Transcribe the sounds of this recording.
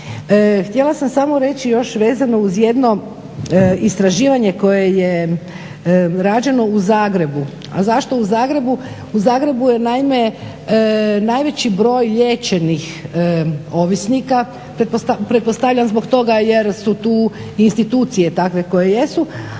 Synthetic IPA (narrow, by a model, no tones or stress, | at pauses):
xt̪jelˠasamsamo̞ɾe̞t͡ɕijo̞ʃʋeːzano̞uzje̞d̪no̞ | ist̪ɾaʒiːʋaɲe̞ko̞je̞je̞ | ɾaːd͡ʒe̞no̞uzaːɡɾe̞bu | a̰zaʃt̪o̞uzaːɡɾe̞bu | uzaːɡɾe̞buje̞naime̞ | najʋe̞t͡ɕibɾo̞ːjʎeːt͡ɕe̞nix | o̞ʋisnika | pɾet̪pot̪apɾet̪po̞st̪aʋʎanzbo̞ɡt̪o̞ɡaje̞ɾsut̪uː | inst̪it̪uːt̪sije̞t̪akʋe̞ko̞je̞je̞su